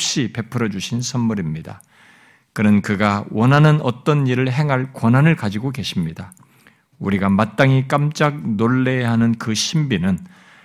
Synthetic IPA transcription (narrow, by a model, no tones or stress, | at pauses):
p̚ɕ͈ipe̞pʰɯɾʌd͡ʑuɕʰinsʰʌnmuɾimɲida̰ | kɯnɯnkɯɡawʌnɦanɯnʌt͈ʌniɾɯɭɦe̞ŋɦaɭkwʌnɦanɯɭkad͡ʑiɡoke̞ɕʰimɲida | uɾiɡamat̚t͈aŋik͈amt͡ɕ͈ak̚noɭːe̞ɦanɯnkɯɕʰimbinɯn